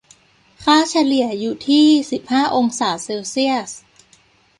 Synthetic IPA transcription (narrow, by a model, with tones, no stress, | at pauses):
kʰaː˥˩t͡ɕʰa˧li˨˩ɐəjuː˨˩t̪ʰiː˥˩si˨˩p̚haː˥˩ʔo˧ŋsaː˨˩˦seː˧wsi˥˩əs